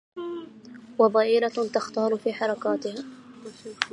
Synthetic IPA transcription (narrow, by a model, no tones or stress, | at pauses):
wabɑːʔɪlat̪axt̪ɑːɾfiːħɑɾˤɑkaːt̪ɪhaː